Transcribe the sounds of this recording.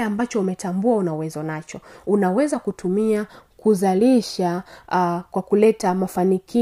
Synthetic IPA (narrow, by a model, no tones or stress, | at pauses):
ambat͡ʃɔumɛtambuaunauwɛzɔnat͡ʃɔunawɛzakutʰumiakuzaliʃa | kwakulɛtamafaniki